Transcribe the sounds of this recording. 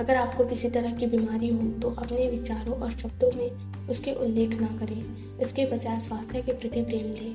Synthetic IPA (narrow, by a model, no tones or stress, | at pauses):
ɐɡəɾaːp̚kokɪsit̪ɐɾəɦkibiːmaːɾiɦot̪oʔɐpneʋɪt͡ʃaːɾõʔɔːɾʃɐb̚d̪õmẽ | ʊskeʔʊlːeːkʰnɐkɐɾẽː | ɪskebɐt͡ʃaːswaːst̪ʰjəkepɾɪt̪ipɾeːmd̪ẽː